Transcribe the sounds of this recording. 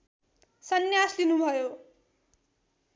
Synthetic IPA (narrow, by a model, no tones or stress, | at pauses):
sʌnjaslinubʱʌjo